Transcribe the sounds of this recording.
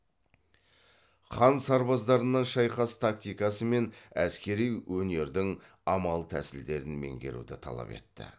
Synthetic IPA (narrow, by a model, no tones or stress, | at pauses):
χɑnsɑɾbɑzd̪ɑɾənːɑnʃɑjqɑst̪ʰak̚t̪ʲijkɑsəme̞næskʲe̞ɾijwʔɵne̞ɾd̪ɪŋ | ɑmɑlˠət̪ʰæsɪld̪e̞ɾɪnme̞̰ŋɡʲe̞̰ɾṵd̪ɪt̪ʰɑ̰lˠɑ̰pe̞̰t̪ːɪ̰